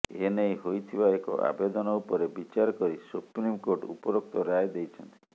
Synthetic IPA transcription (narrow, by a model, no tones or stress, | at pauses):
enejɦojt̪ʰibaekɔ̰ʔa̰bed̪ɔnɔupɔɾebit͡ʃaɾɔkɔɾisupɾimkoʈṵpɔɾok̚t̪ɔɾajd̪ejt͡ʃʰɔnt̪ii